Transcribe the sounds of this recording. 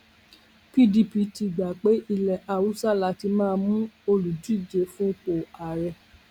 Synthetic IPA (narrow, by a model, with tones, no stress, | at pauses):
pi˦˨di˧pi˧˦ti˧˨ɡ͡ba˨k͡pe˨˦ʔi˧˨lɛ˨ʔa˨wu˨˦sa˦˨la˧ti˧˦mãː˦˧˦mũ˦o˧lu˨d͡ʒu˦i˦˨d͡ʒe˨˧fũ˦k͡po˨a˨ɾɛ˧